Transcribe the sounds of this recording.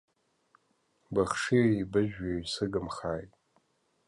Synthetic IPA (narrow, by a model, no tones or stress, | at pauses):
baχʂiibɨʒᶣaɥsɨɡɨmχaːjtʼ